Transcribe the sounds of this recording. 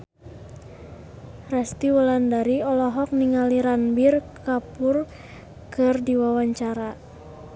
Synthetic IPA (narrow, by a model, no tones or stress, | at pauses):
rɛst̪iwɔlandaɾiɔlɔɦɔk̚niŋaliɾanbirkapʊr | kɨrdiwawaɲt͡ʃaɾa